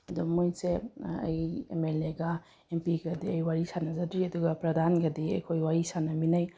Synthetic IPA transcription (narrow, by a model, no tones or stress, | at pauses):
ɐdumojnseɐ̰jḛmeleɡɐ | empiɡɐdiɐjwaɾisanɐzɐdɾiɐduɡɐpɾɐdʱanɡɐdiɐ̰jkʰojwaɾisanɐminaj